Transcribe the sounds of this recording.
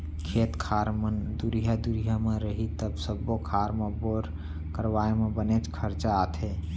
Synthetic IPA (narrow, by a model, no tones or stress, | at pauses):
kʰeːt̪kʰaːɾmənd̪uɾiɦad̪uɾijamẽɾəɦit̪əbsəbːokʰaɾmẽboɾ | kəɾwaːemẽbənet͡ʃkʰəɾt͡ʃaːt̪ʰe